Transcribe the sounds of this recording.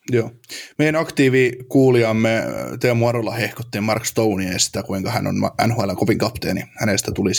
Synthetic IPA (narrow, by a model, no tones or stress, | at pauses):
joː | meijænɑkt̪iːʋiːkuːliɑmːet̪eːmuɑɾolːɑhehko̥t̪ːiːmmɑrkst̪ouniɑjɑsi̥t̪ækuiŋkɑhæno̰nmɑʔæ̰nhoælːeŋkopiŋkɑpt̪ḛːnihænest̪æt̪ulis